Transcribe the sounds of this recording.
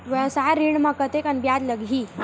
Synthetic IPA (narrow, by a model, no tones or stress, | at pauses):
ʋəsaɾiɽmakət̪ekanbjad̪ləɡʱi